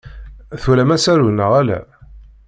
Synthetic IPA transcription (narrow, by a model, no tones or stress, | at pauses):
θulæmæsæɾunːəʁælæ̰